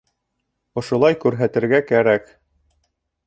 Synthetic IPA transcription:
ŏʃŏlˠɑjkʉɾɦæt̪ɘ̆ɾɡækæɾæk

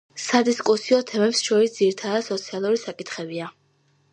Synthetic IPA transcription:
sad̪iskʼusiɔt̪ʰɛmɛpsʃɔɾisd̪ziɾit̪ʰad̪ad̪sɔt̪sʰialˠuɾisakʼit̪ʰχɛbia

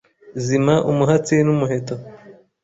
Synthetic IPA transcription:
zimaʔumuɦat͡sinumuɦeto

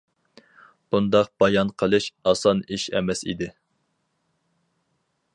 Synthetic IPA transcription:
b̥und̪ɑq̚b̥ɑjɑnqʰəlˠɨʃɑsɑniʃɛ̰mɛsḭd̪ɪ

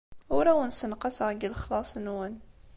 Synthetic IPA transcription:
ʊɾawənsənqɑsəʁɡələχlɑsˤnwən

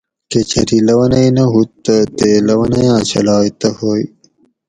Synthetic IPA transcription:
ket͡ɕʰɐɾilɐwɐnɐjnɐɦut̪ːɐt̪elɐwɐnɐjãːt͡ɕɐ̰lɑːjt̪ɐhoːj

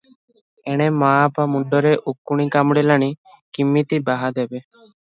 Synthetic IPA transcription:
ɛɽ̃emaːpamuɳɖɔɾeʔokːuɽ̃ikamɽelaɽ̃i | kimːit̪ibaɦad̪ɛbe

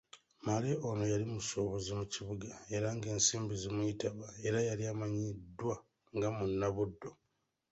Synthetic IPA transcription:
maleʔo̞no̞jalimuso̞ːβozimuciβuɡae̞ɾaŋɡe̞ːnsiːmbizimwuitaβae̞ɾajaliamaɲidːwa | ŋɡamunːaβudːo̞

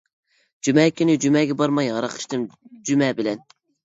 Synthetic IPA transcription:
d͡ʒymɛːkʲynɪd͡ʒymɛːɡʲɛbɑɾmɑjɑɾɑqʰə̥ʃt̪ɨmd͡ʒymɛːbɪlɛn

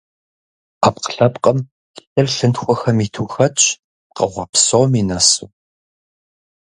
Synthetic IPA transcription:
aːpqə̥ɬɐpqʼɐm | ɨrɬɨntxʷɔxɐmiːtʰuːxɐt͡ʃ̚ʼ | qɐʁʷɑpsowminɐsṵː

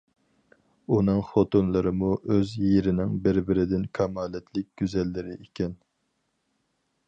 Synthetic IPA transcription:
unɨŋχot̪unlˠɨɾɨmuʔøzjeɾɪnɪŋbɪɾbɪɾɪd̪ɪnkʲʰɑmɑːlɛt̪ʰlɪk̚ʲɡ̥ʲyzɛlːɪɾɪʔekʲɛn

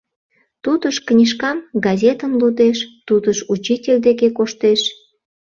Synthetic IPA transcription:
t̪ud̪əʃknʲiʃkɑmɡɑzʲet̪əmlud̪eʃt̪ud̪əʃut͡ɕitʲelʲd̪ekekoʃt̪eʃ

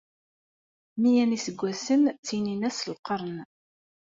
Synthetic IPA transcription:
mijænisəɡʷːæsənt͡sːininæsəlqəɾˤən

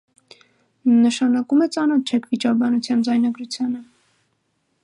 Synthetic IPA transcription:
nəʃɑnɑkumɛt͡sɑnɔt̪t͡ʃʰɛkʰvit͡ʃɑɾbɑnut͡sʰjɑnd͡zɑjnɑɡɾut͡sʰjɑnə

